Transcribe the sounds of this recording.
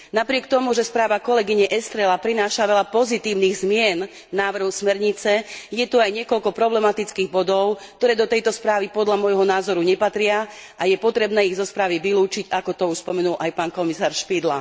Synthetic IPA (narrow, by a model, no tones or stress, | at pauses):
napɾɪɛkt̪ɔmuʒɛspɾaːʋakɔlɛɡiɲɛʔɛst̪ɾɛlapɾinaːʃaʋɛʎapɔzit̪iːʊniɣzmɪɛnː | aːʋr̩ɦɔʊsmɛɾɲit͡sɛjɛt̪uajɲɪɛkɔlkɔpɾɔblɛmat̪it͡skiːɣbɔd̪ɔʊkkt̪ɔɾɛːd̪ɔt̪ɛjt̪ɔspɾaːʋipɔd̪ʎamɔjɦɔnaːzɔɾuɲɛpat̪ɾɪa | ʔajɛpɔt̪ɾɛbnɛːiɣzɔspɾaːʋiʋiluːt͡ʃiɟakɔt̪ɔuʃspɔmɛnulʔajpaːnkɔmisaːɾʃpid̪la̰